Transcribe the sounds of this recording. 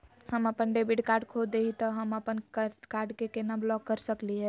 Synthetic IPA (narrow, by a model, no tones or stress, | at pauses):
həməpənɖebiɖkaɾɖkʰod̪eɦit̪ɔɦəməpənkkaɾɖkekenablɔkːəɾsəkliɦɛ